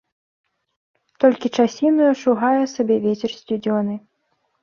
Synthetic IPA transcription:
t̪ɔlʲkʲit͡ʂasʲinujuʂuɣajɛsabʲɛvʲet͡sʲɛrsʲt͡sʲud͡zʲɔnɨ

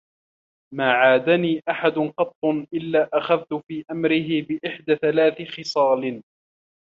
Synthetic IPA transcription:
maːʕaːd̪aniːʔaħad̪ʊnqɑt̪ˤːʊnʔɪlːaːʔaxaðt̪ʊfiːʔamɾɪɦɪbɪʔɪħd̪aːθalaːθɪxɨsˤɑːlɪn

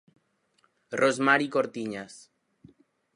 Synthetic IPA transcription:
rozmaɾikoɾt̪iɲas

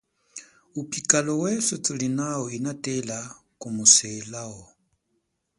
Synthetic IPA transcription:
upʼikʼalɔwɛsɔt͡sʼulinaɔinatʼɛlakʼumusɛlaɔ

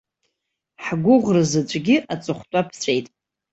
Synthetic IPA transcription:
ħɡʷʊʁrɨzɨt͡ʃʷʼɡʲɪʔat͡sʼɨχʷtʷʼapʰt͡ɕʷʰʼejtʼ

